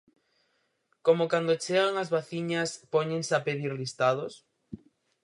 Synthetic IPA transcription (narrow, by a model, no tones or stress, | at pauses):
komokand̪ot͡ʃeɣaŋazβaθiɲaspoɲẽŋsapeðiɾlist̪að̞os